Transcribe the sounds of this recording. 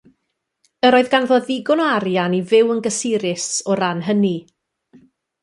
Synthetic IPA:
əɾoːɨðɡanvɔðɪɡʊnɔaɾjanivɪwənɡəsɪɾɪsɔɾanɦəni

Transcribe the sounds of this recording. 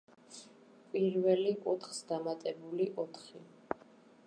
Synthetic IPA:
pʼiɾvɛlikʼut̪ʰχsd̪amat̪ʼɛbuliʔɔt̪ʰχi

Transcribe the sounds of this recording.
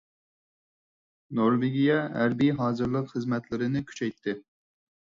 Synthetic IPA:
noɾveɡʲijɛɦæɾbijɦɑːzɨɾlˠəqχəzmɛt̪lɪɾɪnɪkʲʰy̥t͡ʃʰɛjt̪ʰːɪ

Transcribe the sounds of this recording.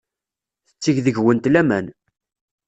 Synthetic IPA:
θət͡sːiʝðəʝwənt̪læmæn

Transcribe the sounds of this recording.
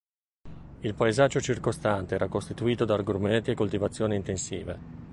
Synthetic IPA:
ilpaezad͡ʒːot͡ʃirkost̪ant̪eɛːɾakost̪it̪uiːt̪od̪arɡorment̪iekːolt̪ivat̪sːjoːniint̪ensḭːvḛ

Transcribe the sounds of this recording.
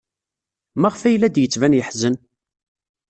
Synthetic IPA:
mæʁfæjlːæd̪jət͡sːvænjəħzən

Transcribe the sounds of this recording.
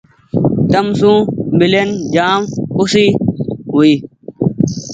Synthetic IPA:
t̪ɐmsũːbilend͡ʑaːmusiːɦuiː

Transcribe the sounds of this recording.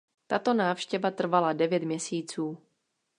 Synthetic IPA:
t̪at̪o̞naːfʃcɛvat̪r̩valadɛvjɛt̪mɲɛsiːt͡suː

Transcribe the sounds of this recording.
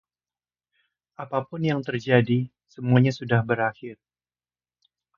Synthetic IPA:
ʔapapʊnjaŋt̪ərd͡ʒadi | səmuaɲasudahbəɾaxɪr

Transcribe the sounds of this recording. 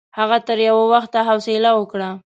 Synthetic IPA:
haɣat̪əɾjawawaxt̪aɦawsɪlawəkɽa

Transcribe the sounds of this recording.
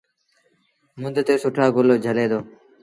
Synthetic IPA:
mʊnd̪ʱt̪eːsʊʈʰaːɡoloːd͡ʒʱəleːd̪oː

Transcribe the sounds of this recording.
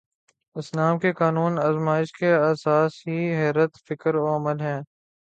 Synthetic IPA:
ɪsnaːmkekaːnuːnaːzmaːɪʃkeɐːsaːsɦiɦɛːɾət̪fɪkəɾoəməlɦɛ̃ː

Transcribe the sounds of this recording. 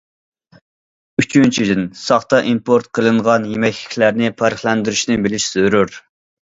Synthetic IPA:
yt͡ʃʰynt͡ʃʰid̪ɪnsɑχt̪ɑʔimpʰoɾt̪̚qʰəlˠɨɴʁɑnjemɛkʲlɪ̥kʲʰlæɾnɪpʰɑɾəχlɛnd̪yɾyʃnɪbɪlɪʃz̥øɾuɾ

